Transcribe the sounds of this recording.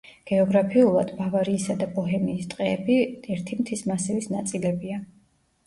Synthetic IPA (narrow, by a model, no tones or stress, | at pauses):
ɡ̥ɛɔɡɾapʰiulˠa̰d̪̥bavaɾiːsad̪abɔɦɛmiːst̪ʼqʼɛɛbiɛɾt̪ʰimt̪ʰismasɛvisnat̪sʼilɛbia